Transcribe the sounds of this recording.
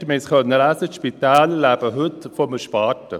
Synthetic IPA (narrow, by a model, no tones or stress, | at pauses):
mɪskœnːəɾæsətʃpit̪aːllæb̥əɦɵt̪fɔməʃpɑːtə